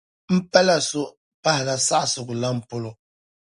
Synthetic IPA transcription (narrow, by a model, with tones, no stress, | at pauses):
m̩˦pɛ˦la˦so˦ | pa˦hla˨sa˦ʔsu˨ku˨la˦m̩˨po˦lo˨